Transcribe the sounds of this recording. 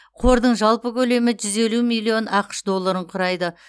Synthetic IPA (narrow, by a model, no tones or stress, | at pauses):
qʰo̞ɾd̪əɴʒɑlˠpəkʲʰɵle̞mɪʒʏze̞lumilˠːio̞nʔɑqə̥ʃd̪o̞lˠːaɾəɴqʰʊɾɑjd̪ə